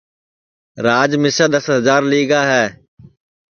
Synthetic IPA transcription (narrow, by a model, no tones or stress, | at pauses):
ɾaːd͡ʒmɪsaːd̪əsɦəzaːɾliːɡaːɦɛː